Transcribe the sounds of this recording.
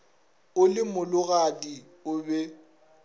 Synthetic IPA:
ʊlɪmʊlʊɣaki | ʊbɛ

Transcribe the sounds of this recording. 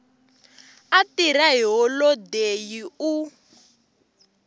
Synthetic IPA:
atiɾaɦiɦɔlɔdejiu

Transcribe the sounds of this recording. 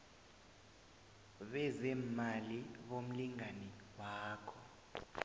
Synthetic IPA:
ɓɛzɛmaliɓom̩liŋanɛwaːkʰɔ

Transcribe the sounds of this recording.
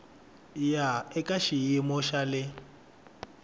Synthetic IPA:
jaɛkʼaʃijɪmʊʃalɪ

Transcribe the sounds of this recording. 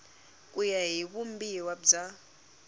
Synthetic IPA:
kʼujaɦiβumbiwabd͡za

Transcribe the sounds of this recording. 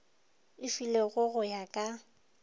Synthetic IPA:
ɪfileɣʊɣʊjakʼa

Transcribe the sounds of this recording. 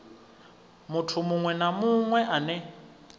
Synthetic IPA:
mutʰumuŋwɛnamuŋwɛʔanɛ

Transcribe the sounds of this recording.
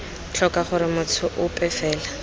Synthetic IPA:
t͡ɬʰɔkaχʊɾɪmʊt͡sʰʊʔʊpʼɛfɛːla

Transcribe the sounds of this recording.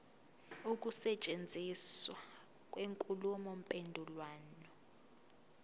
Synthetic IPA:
uk̬ʼusɛt͡ʃʼend͡zʱiswa | k̬ʼweŋkʼulumɔm̩pʼendʱulwaːnɔ

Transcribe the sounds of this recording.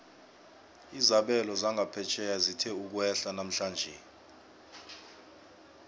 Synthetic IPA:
izaɓɛlɔzaŋɡʱapʰɛt͡ʃʰɛjazitʰɛuk̬wɛɬanam̩ɬaːnd͡ʒʱɛ

